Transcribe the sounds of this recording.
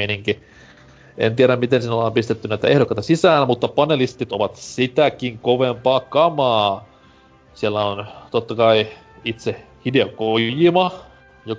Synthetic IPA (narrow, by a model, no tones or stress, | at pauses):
iniŋki | ḛnt̪ieɾæmmit̪ensiːnolːɑːmpist̪et̪ːynæˑit̪æ̰ehɾokːˑɑˑit̪ɑsisæːnmut̪ːɑpɑnelist̪it̪oʋɑt̪sit̪ækiŋkoʋempɑːkɑmɑː | sielːæont̪ot̪ːɑkɑi | it̪se | hideokojimɑ | jo